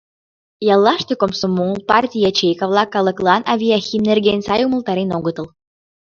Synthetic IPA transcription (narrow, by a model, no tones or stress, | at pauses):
jɑlˠːɑʃt̪ekomsomːuŋəlˠpɑrtʲijɑt͡ɕejkɑvlˠɑkɑlˠɤ̆klˠɑnʔɑvʲiaxʲimnerɡenʲsɑjumə̆lˠt̪ɑɾenoɣət̪ə̆l